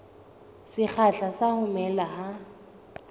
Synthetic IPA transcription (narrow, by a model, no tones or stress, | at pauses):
sɪk͡xʰaɬasahʊmɛlaɦa